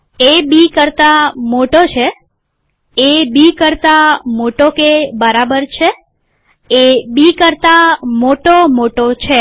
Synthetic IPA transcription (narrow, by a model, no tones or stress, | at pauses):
ebikəɾt̪amoʈot͡ʃʰe | bikəɾt̪amoʈokebəɾabəɾt͡ʃʰe | ebikəɾt̪amoʈomoʈot͡ʃʰe